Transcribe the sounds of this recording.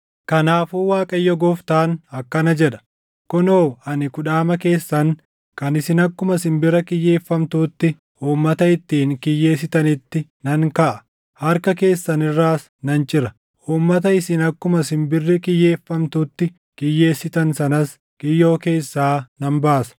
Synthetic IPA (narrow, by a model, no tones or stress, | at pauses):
kɐnaːfuːwaːkʼɐjːɔɡɔft̪aːnɐkːɐnɐd͡ʒɛᶑɐ̥ | kɔnoːɐnɪkʊᶑaːmɐke̞ːsːɐn | kɐnɪsɪnɐkːʊmɐsɪmbɪɾɐkɪjːeːfːɐmt̪uːt̪ːɪ | uːmːɐt̪ɐɪt̪ːiːŋkɪjːe̞ːsɪt̪ɐnɪt̪ːɪnɐŋkɐʔɐ̥ | hɐɾkɐke̞ːsːɐnɪrːaːs | nɐnt͡ʃʼɪɾɐ | uːmːɐt̪ɐɪsɪnɐkːʊmɐsɪmbɪrːɪkɪjːe̞ːfːɐmt̪uːt̪ːɪ | kɪjːe̞ːsːɪt̪ɐnsɐnɐs | kʼɪjːo̞ːke̞ːsːaːnɐmbaːsɐ̥